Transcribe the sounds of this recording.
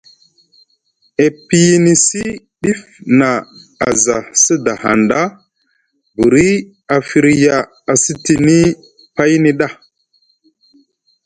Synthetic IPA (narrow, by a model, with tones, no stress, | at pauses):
e˨pi˦ji˦ni˨si˦ | ɗi˦f | na˨a̰˨za˨sə˦da˨ha̰˨nda˦ | bu˨ɾi˦ | a˨fi˨ɾja˨ | a˨si˦ti˨ni˦ | pa˦jni˦ɗa˦˨